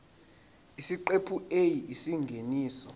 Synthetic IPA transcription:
isiǃepʰuejiisiŋɡʱeniːsɔ

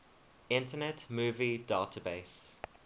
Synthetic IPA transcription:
ɪ̃ntənɛtmuːvidaːtʰəbeɪs

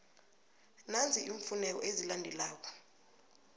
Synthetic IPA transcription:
nand͡zʱiʔiɱfunɛk̬ɔ̰ʔezilandʱɛlaːk̬ɔ̥

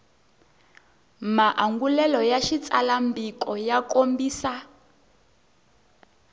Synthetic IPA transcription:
maʔaŋɡulɛlɔjaʃit͡sʼalambikʼɔjakombiːsa

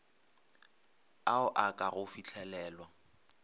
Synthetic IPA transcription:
aʊʔakʼaɣʊfit͡ɬʰɛlɛːlwa

